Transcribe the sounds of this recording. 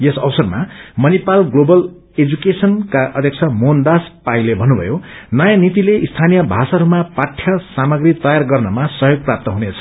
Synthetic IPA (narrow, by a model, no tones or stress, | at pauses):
jesʌwsʌrma̰mʌnipalɡlobʌl | ed͡zukesʌnkaʔʌ̰d̪ʱjʌkt͡sʰʌmond̪aspaĩlebʱʌnːubʱʌ̰jonʌjanit̪ileʔist̪ʰanijʌbʱasaɾumapaʈʰjʌsamʌɡrit̪ʌjarɡʌrnʌmasʌɦjoɡ̚prap̚t̪ʌɦunet͡sʰʌ̥